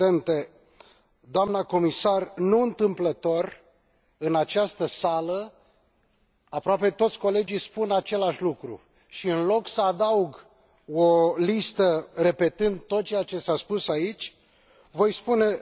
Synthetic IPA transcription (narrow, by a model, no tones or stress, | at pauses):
ent̪e | d̪oamnako̞misarnuɨnt̪ɨmplət̪o̞r | ɨnat͡ʃast̪əsalə | apɾoape̞t̪o̞t̪sʲko̞le̞d͡ʒijspunat͡ʃe̞laʃʲlukɾṵ | ʃiɨnlo̞ksəad̪auɡ | olist̪əre̞pe̞t̪ɨnd̪̚t̪o̞t̪̚t͡ʃe̞jat͡ʃe̞saspusait͡ʃʲ | vo̞jspune̞